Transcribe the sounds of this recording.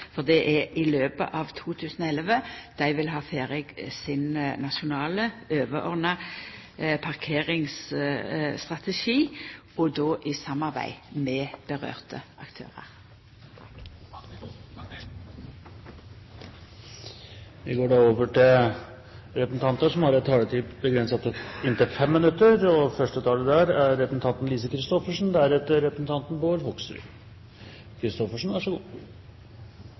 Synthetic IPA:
fɔʁd̪ɛʔɛʔɪløːpə̰ʔɑːʋt̪ʰuːt̪ʰʉːsnɔɛlʋəd̪̥æɪʋɪlɦɑːfeːʁɪɡsɪnnɑʃʊnɑːləøːʋəʔɔ̰ʁnɑ | pʰɑʁkʰeːʁɪŋs | st̪ʁɑt̪ɛʃiː | ɔd̪oːʔɪsɑmɑʁbæ̰ɪmɛːb̥əʁø̰ːʁt̪ʰəʔɑkt̪ʰø̰ːʁə̰ʁ | ʋɪɡoːɖɑːoːʋəʈɪl | ɾɛpəsn̩t̪ʰɑnt̪əʂɔmhɑɾɛt̪ʰːɑːlət̪ʰiːbəɡɾɛnsət̪ɪnt̪ɪfɛmːɪnʉt̪ːəɾɔfœʂʈət̪ʰɑːləd̪æɾæɾːɛpɾəsn̩t̪ʰɑnt̪n̩liːsəkʰɾɪst̪ɔfəʂn̩d̪æɾɛt̪ːəɾːɛpɾəsn̩t̪ɑnt̪n̩boːɾhɔksɾʉ̰ | kʰɾɪst̪ɔfəʂn̩ʋɑʂɔɡṵː

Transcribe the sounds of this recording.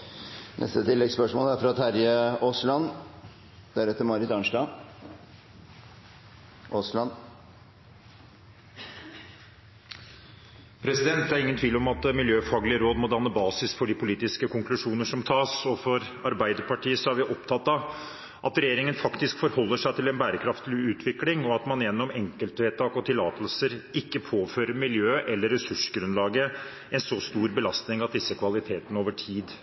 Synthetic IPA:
nʔɛ̰st̪ət̪ʰɪlːɛɡspœʂmo̰ːlæɾfɾɑt̪ʰæɾjəoːslɑn | d̪̥æɾɛt̪ːəɾmɑɾɪt̪ɑnʂʈɑ | ʔoːslɑn | pʰɾɛsɪd̪ɛnt̪̚d̪æɾɪŋənt̪ʰʋiːlɔmɑt̪mɪljøːfɑːɡlɪəɾoːd̪mɔd̪ɑnːəbɑːsɪsfɔɖɪpʰʊliːt̪ɪskəkʊŋklʉʂuːnəʂɔmt̪ʰɑːsɔfɔɾ | ɑɾbæɪd̪əpɑʈʰiːəsɔæɾʋɪʔɔpt̪ʰɑt̪ːɑ | ʔɑt̪ɾɛjeːɾɪŋənfɑkt̪ɪskfɔɾhɔlːəʂæɪt̪ɪlɛnbæːɾəkʰɾɑft̪lɪʉːt̪ʰʋɪklɪŋɔɑt̪mɑnjɛnːɔmɛŋkəlt̪ʋeːt̪ʰɑːkɔt̪ʰɪlːɑːt̪əlsəɾɪkːəpʰoːføːɾəmɪljøːʔɛlːəɾːɛsʉʂɡɾʉnlɑːɡə | ɛnsɔst̪uːɾbəlɑst̪nɪŋɑt̪̚d̪ɪsːəkʰʋɑlɪt̪ʰeːt̪ənəoːʋəʈʰiːd̪

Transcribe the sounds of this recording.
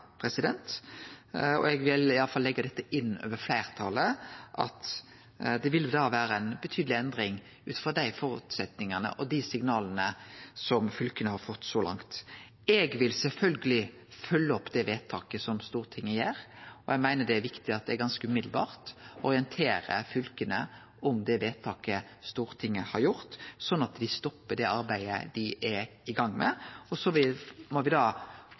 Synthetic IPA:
pʰɾɛsɪd̪ɛnt̪ | ɔ̰ɛɡʋɪlɪɑlːəfɑlːɛɡːɑd̪ɛt̪ːəʔɪnːø̰ːʋəɾflæɪʁt̪ʰɑləʔɑ̰t̪ | d̪ɛʋɪld̪ɑːʋæːɾəænbət̪ʰyːd̪lɪɛnd̪ʁɪŋ | ʉːt̪fɔd̪æɪfɔːɾʉ̰ːt̪sɛt̪nɪŋənə̰ʔɔd̪isɪŋnɑːlənəsɔmfʉlkənəhɑɾfɔt̪ːsɔlɑ̰ŋt̪ | ɛɡʋɪlsɛlfœlɡəlɪ | fœlːəɔpːd̪ɛʋeːt̪ʰɑːkəsɔmst̪uːʁt̪ʰɪŋːəjeːɾɔɛæɡmæɪnəɖ̪ɛæɾʋɪkt̪ɪɑt̪̚d̪ɛæɾɡɑnskəʉmɪd̪l̩bɑ̰ːʁt̪ɔɾɪənt̪ʰeːɾə̰fʉlkənə̰ | ɔmd̪ɛʋeːt̪ʰɑːkə | st̪uːʁət̪ʰɪŋːəhɑɾjʊɾt̪sɔnːɑt̪d̪ɪst̪ɔpːəɖ̪ɛɑɾbæɪə̰d̪ɪʔɛ | ɪɡɑŋːmɛ̰ɔsɔʋɪmɔʋɪd̪ɑː

